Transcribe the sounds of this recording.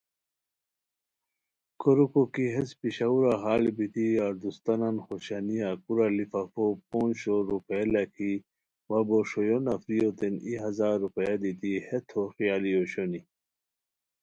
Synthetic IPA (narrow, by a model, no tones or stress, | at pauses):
koɾukokiɦespiɕauɾaɦaːlibit̪iaɾd̪ust̪ɐnanxoɕanijakuɾalifafop̚oːnɕoɾupeelakʰi | waboʂojonafɾijot̪eniɦɐzaːɾːupejad̪it̪ihet̪ʰoxijaːlijoɕoni